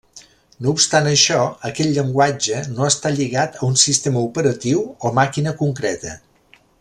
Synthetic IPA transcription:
noupst̪anəʃɔəkɛʎʎəŋɡwad͡ʒənoəst̪aʎiɣat̪əunsist̪eməupəɾət̪iwomakinəkuŋkɾɛt̪ə̰

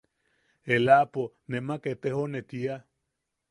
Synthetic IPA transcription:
elapo | nemaket̪eɦonet̪ia

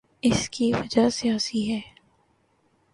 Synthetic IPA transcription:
ɪskiʋɐd͡ʒasijaːsiɦɛː

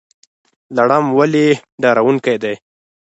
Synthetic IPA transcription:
laɽamwaleɖɑɾawuŋkajd̪aj

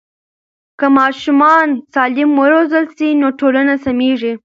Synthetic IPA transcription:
kəmɑʃumɑnsɑlɪmwəɾozəlsinoʈolanasameʐi

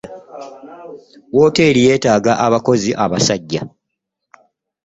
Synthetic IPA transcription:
wo̞ːte̞ːɾije̞ːtaːɡaʔaβako̞ziʔaβasaɟːa

